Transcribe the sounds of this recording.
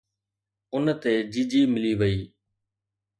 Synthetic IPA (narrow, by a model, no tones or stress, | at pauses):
ʊnt̪eːd͡ʒiːd͡ʒiːmɪliːʋəiː